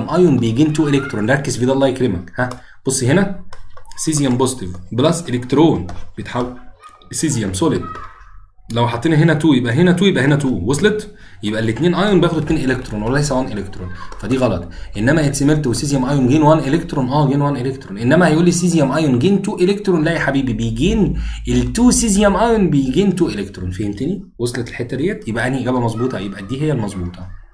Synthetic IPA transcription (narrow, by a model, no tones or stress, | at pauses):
mʔɑjonbejeɡiːnt̪uːʔelekt̪ɾond̪ææɾkːezfiːd̪ælːɑːjeklemæ̰khæ | b̥osˤːiɦenæ | sizjæmbozt̪evblæsʔelekt̪ɾoːnb̥ejet̪ħawel | sizjæmsoːled̪ | læwħɑt̪ˤːeːniɦenæt̪uːjebʔæɦenæt̪uːjebʔæɦenæt̪uːwesˤlet̪ˤjebʔælːet̪neːnʔɑjonbeæːxod̪et̪neːnʔelek̚t̪ɾonwelælejsæwænʔelekt̪ɾonfæd̪iːɣɑlɑt̪ˤʔenːæmæʔet̪semeɾt̪owsizjæmʔɑjonɡeːnwænʔelekt̪ɾonʔæːɡeːnwænʔelekt̪ɾonʔenːæmæhæjʔuːlːisizjæmʔɑjonɡeːnt̪uːʔelekt̪ɾonlæʔiħabiːbibejɡeːnʔelt̪uːsizjæmʔɑjonbejɡeːnt̪uːʔelekt̪ɾonfæhemt̪eniwosˤlet̪elħet̪ːæd̪ejːæjebʔæʔæniɡæbæmɑzˤbuːt̪ˤɑjebʔæd̪iːɦejːælmɑzˤbuːt̪ʰˤɑ